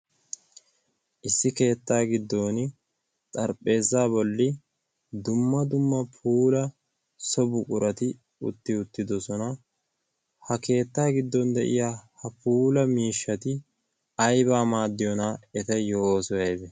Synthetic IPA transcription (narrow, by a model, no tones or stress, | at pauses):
ʔɪsːɪke̞ːt̪ːaːɡɪd̪ːo̞ːnɪ | t̪ʼɐɾpʼːe̞ːzːaːbɔlːɪ | d̪ʊmːɐd̪ʊmːɐpʰuːlɐ | sɔbʊkʼʊɾɐt̪ɪ | ʊ̰t̪ːɪʊt̪ːɪd̪ɔsɔnɐ | hɐke̞ːt̪ːaːɡɪd̪ːɔnd̪ɛʔɪ̰jaːhɐpuːlɐmiːʃːɐt̪ɪ | ɐjbaːmaːd̪ːɪjɔnaɛt̪ɐjoːsɔjɐjbɛ